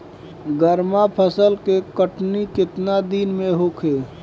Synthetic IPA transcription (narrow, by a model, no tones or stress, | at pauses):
ɡəɾmapʰəsəlkekəʈnikɪt̪nad̪iːnmẽɦokʰeː